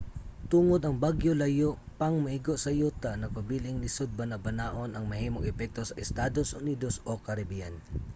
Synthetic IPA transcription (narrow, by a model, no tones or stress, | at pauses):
t̪uŋod̪ɐŋbaɡjolɐjoʔpɐŋmɐhiɡoʔsɐjut̪ɐnɐpɐbiːlɪŋlɪsod̪̚bɐnɐbɐnaːʔo̞nɐŋmɐhiːmoŋɛpɛk̚t̪osɐʔɛst̪aːd̪osʔʊniːd̪osʔokɐɾɐbijan